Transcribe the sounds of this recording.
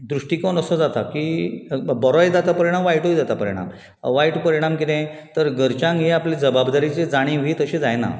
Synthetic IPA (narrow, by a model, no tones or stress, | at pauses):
d̪ɾuʂʈikɔnəsəd͡zat̪akiːbəɾɔjd̪at̪apəɾiɽ̃amʋajʈojd̪at̪apəɾiɽ̃a̰m | ʋajʈpəɾiɽ̃amkit̪ẽt̪əɾɡəɾt͡ɕãŋɡɦeaplid͡zəbabd̪aɾit͡sed͡zaɽ̃ĩʋ̤iːt̪əɕẽd͡zajna̰